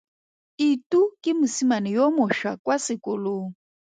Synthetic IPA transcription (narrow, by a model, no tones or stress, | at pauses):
itʼukʼɪmusimanijɔmʊʃwakʼwasɪkʼʊloːŋ̩